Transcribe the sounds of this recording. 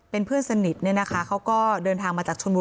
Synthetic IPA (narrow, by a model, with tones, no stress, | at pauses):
pe˧npʰɯ˥˩ənsa˧ni˨˩t̪̚ni˥˩ɐna˦˥kʰa˦˥kʰa˦˥wkɔː˥˩dɤː˧nt̪ʰaː˧ŋmaː˧t͡ɕaː˨˩k̚t͡ɕʰo˧nbuː˧